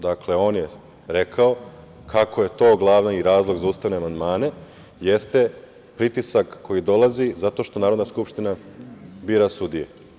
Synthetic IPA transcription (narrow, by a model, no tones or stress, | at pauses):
d̪akle̞o̞ːnje | ɾe̞kʰao | kʰakʰo̞je̞t̪o̞ːɡlˠaʋnaiɾaːzlˠo̞ɡzauːst̪aʋne̞amand̪maːne̞ | jest̪e̞ | pɾit̪isakːo̞jid̪o̞lˠazizat̪o̞ːʃt̪o̞naːɾod̪naskupʃt̪inabiːɾasud̪ije